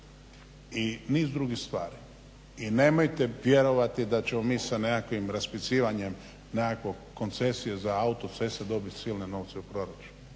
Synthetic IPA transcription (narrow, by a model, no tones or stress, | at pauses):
iniːzd̪ɾuɡixst̪ʋaːɾi | ine̞ːmo̞jt̪e̞ʋje̞ɾo̞ʋat̪id̪at͡ɕe̞mo̞miːsanekakʋimɾaspit̪siːʋaɲe̞m | nekakʋokːo̞nt̪se̞sijezaaut̪o̞t̪se̞sed̪o̞bit̪siːlneno̞ːʋt̪seupɾo̞ɾat͡ʃu̥nu